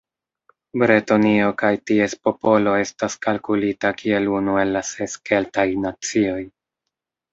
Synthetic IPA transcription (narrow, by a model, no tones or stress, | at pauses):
bɾetonio̞kajtie̞spo̞po̞lo̞e̞staskalkulitakie̞lunue̞lːase̞ske̞ltajnat͡sio̞j